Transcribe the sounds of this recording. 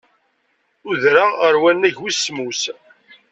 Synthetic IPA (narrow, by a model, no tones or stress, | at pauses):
ʊðɾaəɾwænːæʝwismus